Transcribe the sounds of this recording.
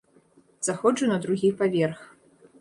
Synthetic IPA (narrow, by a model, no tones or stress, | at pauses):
z̥axɔd͡ʐɨnɐd̪ɾuɣʲipavʲɛrx